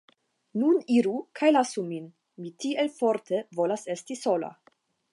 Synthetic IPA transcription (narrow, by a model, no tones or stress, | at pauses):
nuniɾukʰajlasumin | mitielfo̞ɾtʰevo̞lase̞stiso̞la̰